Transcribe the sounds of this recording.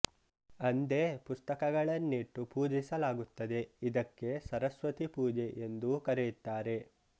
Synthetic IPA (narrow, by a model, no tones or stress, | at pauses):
ɐnd̪e̞pust̪ɐkɐɡɐɭɐnːiʈːupuːd͡ʒisɐlaːɡut̪ːɐd̪e̞id̪ɐkːe̞sɐɾɐsʋɐt̪ipuːd͡ʒe̞ʔend̪ukɐɾejut̪ːaːɾe̞